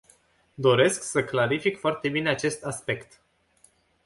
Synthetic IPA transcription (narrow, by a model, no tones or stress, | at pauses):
d̪o̞ɾe̞sksəklaɾifikfoart̪e̞bine̞at͡ʃe̞st̪aspe̞kt̪